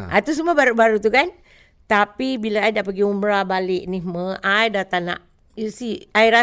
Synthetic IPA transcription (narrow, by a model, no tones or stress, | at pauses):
ʔa̰t̪us̬umabaɾubaɾut̪ukan | t̪apibilaajdaʔpəɡiməmbəɾabalɪʔniməajdat̪ana̰ʔ | usiaiɾa